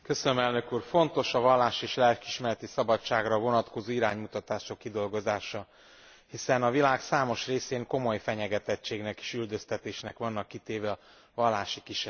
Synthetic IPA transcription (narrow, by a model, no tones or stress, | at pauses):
kø̞sønømɛlnø̞kuːrfo̞nt̪o̞ʃɒvɒlːaːʃieːʃlɛlkiʃmɛɾɛt̪isɒbɒt͡ʃːaːɡrɒvo̞nɒt̪ko̞zoːiɾaːɲmut̪ɒt̪aːʃokːid̪o̞lɡozaːʃɒ | hisɛnɒvilaːɡsaːmo̞ʃreːseːŋko̞mo̞jfɛɲɛɡɛt̪ɛt͡ʃːeːɡnɛki̥ʃyld̪ø̞st̪ɛt̪eːʃnɛkʋɒnːɒkːit̪eːvɛɒ | vɒlːaːʃikiʃɛ